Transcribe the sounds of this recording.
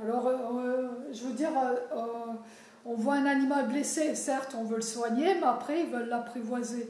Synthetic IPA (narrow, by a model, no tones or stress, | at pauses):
alɔʁ | ʒəvød̪iʁøø | ɔ̃vwaɛ̃nanimalblesesɛʁt̪ɔ̃vøləswaɲemeapχɛilvœlːapχevwaze